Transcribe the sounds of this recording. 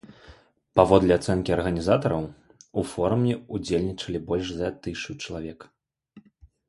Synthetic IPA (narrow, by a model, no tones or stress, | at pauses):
pavɔd̪lʲɛat̪sɛnkʲiɐrɣɐnʲizat̪ɐɾɐw | ufɔɾumʲɛud͡zʲelʲnʲit͡ʂɐlʲibɔlʲʂzɐt̪ɨʂut͡ʂɐlˠavʲɛk